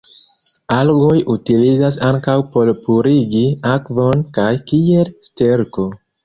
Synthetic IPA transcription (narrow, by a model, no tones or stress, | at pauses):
alɡojʔutilizas̬aŋkawpo̞lpuɾiɡiakvo̞nkajkielsteɾko̞